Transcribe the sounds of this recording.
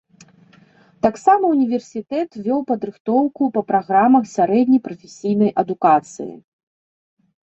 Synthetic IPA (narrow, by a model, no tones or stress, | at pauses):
t̪aksamɐunʲivʲɛrsʲit̪ɛt̪vʲɔwpɐd̪ɾɨxt̪ɔwkupɐpɾaɣɾamɐxsʲaɾɛd̪ʲnʲɐjpɾɐfʲesʲijn̪ɐjʔɐd̪ukat̪sɨ̰jḭ